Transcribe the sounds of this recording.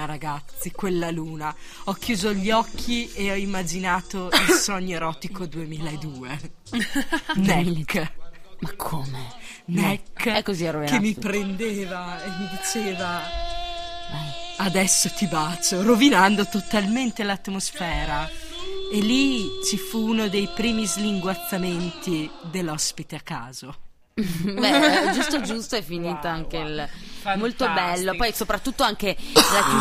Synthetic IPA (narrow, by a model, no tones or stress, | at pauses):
aɾaɡat̪sːikwelːaluːna | ɔkːjuːzoʎːɔkʰːieɔimːad͡ʒinaːt̪oilsɔɲːoeɾɔːt̪ikod̪uemiːlaed̪ːuːe | nɛkː | makʰːome | nɛkːɛkːoziroikemːipɾend̪eːvaemːid̪it͡ʃeːva | ad̪ɛsːot̪ibat͡ʃoɾovinand̪ot̪ot̪alment̪elat̪mosfɛːɾa | elit͡ʃifuːnod̪ejpɾiːmizliŋɡwat̪sːament̪id̪elːɔspit̪eakːa̰ːzo | bɛd͡ʒust̪od͡ʒust̪oɛfːiniːt̪oaŋk̟elmolt̪obɛlːopɔjsopɾat̪ːut̪ːoaŋk̟ela